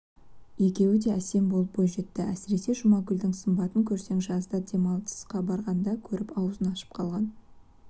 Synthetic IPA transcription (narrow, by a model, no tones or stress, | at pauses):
je̞kʲe̞wɪd̪e̞æse̞mbolˠəp̚bojʒe̞t̪ːɪʔæsɪɾe̞se̞ʒʊmɑɡʲʏld̪ɪŋsəmbɑt̪əŋkʲʰɵɾse̞ŋʒɑzd̪ɑd̪e̞mɑlˠt̪ə̥sqɑbɑɾʁɑnd̪ɑkʲʰɵɾɪpɑwəzənɑʃə̥p̚qʰɑlˠʁɑn